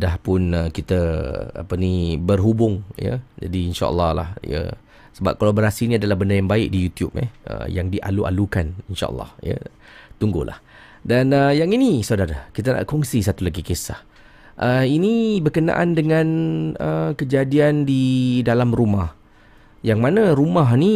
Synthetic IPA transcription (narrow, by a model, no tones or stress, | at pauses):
dahpʊnəkit̪əa̰pənibərɦubʊŋjə̰d͡ʒa̰diːnʃa̰ʔə̰lːɑhla̰hjə̰ | səba̰p̚kalaboɾasiːniadalahbəndajaŋbaɪk̚dijut̪jṵp̚ɛ̰hə̰jaŋdiʔa̰lua̰lukaninʃa̰ʔə̰lːɑ̰hjə̰ | t̪uŋɡʊ̰hlʔa̰h | danəjaŋinisawdaɾakit̪̬ana̰ʔkɔŋsisat̪ulaɡikesah | ʔəinibərkəna̰ʔandəŋãnəkəd͡ʒadiandidalamrumah | jaŋmanãɾumaɦni